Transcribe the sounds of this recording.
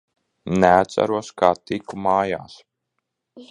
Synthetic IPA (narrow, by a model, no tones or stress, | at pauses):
nɛat̪sæ̰ɾuɔskaːt̪ikumaːjaːs